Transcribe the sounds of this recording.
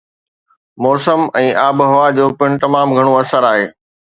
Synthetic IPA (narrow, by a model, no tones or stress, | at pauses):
mɔːɾsəmɛ̃ːʔaːbɦɐʋad͡ʑoːpɪɳ̃t̪ɐmaːmɡʱɐɽ̃oɐsəɾaːɦḛː